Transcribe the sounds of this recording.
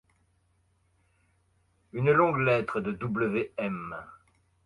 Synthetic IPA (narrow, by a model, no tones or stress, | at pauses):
ynlɔ̃ɡlɛt̪χəd̪əd̪ubləveɛm